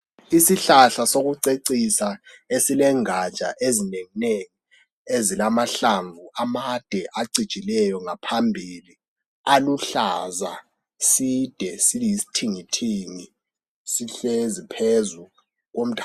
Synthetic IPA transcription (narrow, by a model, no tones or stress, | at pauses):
isiɬaɬasoɣuǀeǀisaesilɛŋat͡ʃʼa̰ʔezineŋineŋi | ezilamaɬaɱvuamad̥ʱɛʔaǀid̥t͡ʃʼilɛjɔŋapʰambʱili | aluɬaza | sid̥ʱɛsilijisi̥tʰiŋitʰiŋi | siɬezipʰezu | ɣom̩tʼʰa